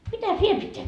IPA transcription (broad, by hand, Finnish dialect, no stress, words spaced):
mitæs ʋiel pitːeæ